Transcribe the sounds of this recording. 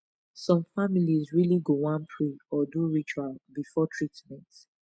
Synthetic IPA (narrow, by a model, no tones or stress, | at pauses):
sɔ̃mfamilizɹiliɡowãnpʰɹeɔduɹit͡ʃwalbifɔtʰɹitmɛ̃nt